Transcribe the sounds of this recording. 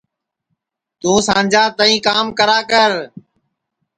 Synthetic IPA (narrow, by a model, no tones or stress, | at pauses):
t̪ũːsãːɲd͡ʒaːt̪əĩːkaːmkəɾaːkəɾ